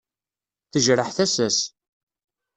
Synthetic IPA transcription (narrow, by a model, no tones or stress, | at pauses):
θəʒɾəħθæsæs